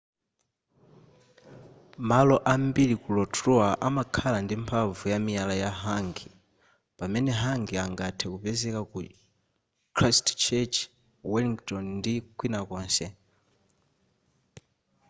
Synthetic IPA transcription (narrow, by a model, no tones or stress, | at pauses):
malɔʔambilikulɔtʰɾuaʔamakʰalandimpʰavujamialajaɦaŋɡi | pamɛnɛɦaŋɡiaŋɡatʰɛkupɛzɛkaku | kʰɾastt͡ʃʰɛt͡ʃ | wɛliŋktɔnndikwinakɔːnsɛ